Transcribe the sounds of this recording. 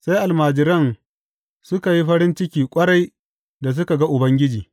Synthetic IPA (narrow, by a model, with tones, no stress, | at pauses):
sa˦jʔa˨lmaː˨d͡ʒɪ˨ɾɐ˦˨n | sʊ˦ka˨ji˦ɸɐ˦ɾɪ˦nt͡ʃɪ˦kʲiː˨kʷʼɐ˦ɽa˦j | da˨s̬ʊ˦ka˨ɡa˦ʔʊ˨bɐ˦ŋɡʲɪ˦d͡ʒiː˨